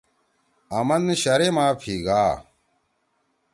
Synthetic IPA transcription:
ɐmɐnɕɐɾemaːpʰiːɡaː

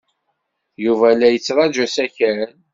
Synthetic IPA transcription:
juvælæjət͡sːɾˤɑd͡ʒæsæçəɾən

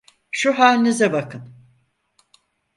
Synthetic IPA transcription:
ʃuɦaːnizɛbakʰɯm

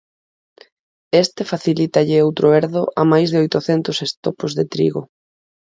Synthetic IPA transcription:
est̪efaθilit̪aʎɪowt̪ɾʊeɾðʊʔamajzð̞eojt̪ʊθɛnt̪ʊsest̪opozðet̪ɾḭɣo

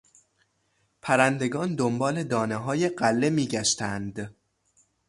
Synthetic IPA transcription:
pʰæɾænd̪e̞ɡɒːnd̪ombɒːle̞d̪ɒːneɦɒːje̞ɢælːe̞miːɟæʃt̪ænd̪

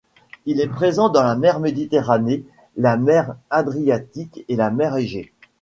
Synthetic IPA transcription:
ilɛpχezɑ̃d̪ɑ̃lamɛʁmed̪it̪eʁane | lamɛʁad̪ʁijat̪ikelamɛʁeʒe

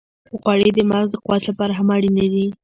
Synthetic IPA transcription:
əxwaɽed̪əmazd̪əqʊwat̪lapɑɾaɦamɑɽinad̪i

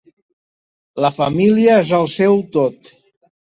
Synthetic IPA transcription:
ləfəmiliəezəlˠsɛwt̪ot̪

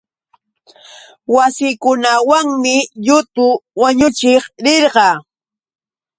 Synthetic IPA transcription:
wasɪːkʊnawaŋmɪʎʊt̪ʊwaɲʊt͡ʃɪχɾɪɾɢɑː

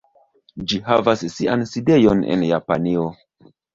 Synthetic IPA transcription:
d͡ʒihavasːianside̞jonḛnjapa̰nio̞

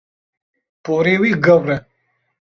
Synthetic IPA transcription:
poɾewiɡɐwɾe

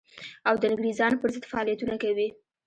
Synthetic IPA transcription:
awd̪ənɪɡɾizɑnpəɾzəd̪faɑlijat̪unakawi

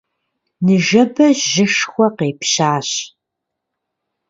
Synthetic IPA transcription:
nɨʒɐbɐʑʒɪʃxʷɔqeːpɕaːɕ

